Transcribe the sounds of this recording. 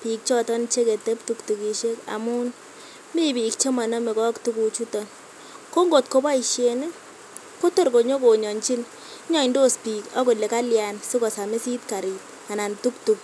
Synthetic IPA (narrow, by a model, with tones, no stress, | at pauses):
pi˨k̚t͡ʃɔ˦tɔ˦nt͡ʃe˦ke˨tɛ˦p̚tu˦ktu˨ki˨ʃe˦ka̰˨mu˦n | mi˦bi˨kt͡ʃe˦ma˨nɔ˦me˨kɔ˦ktu˦ku˨t͡ʃu˦tɔ˨n | ko˦ŋɡo˨tko˨˦ba˦i˨ʃje˨ne˦ | ko˦to˦˨ɾko˨ɲo˦ko˨ɲɔ˨nt͡ʃi˦n˦ | ɲɔ˦i˨ndo˦spi˨kɔ˦ko˨le˨ka˦lja˨nsu˦kɔ˨sa˨me˦si˦tka˨ɾi˨t̚ | a˨na˨ntu˦ktu˨k̚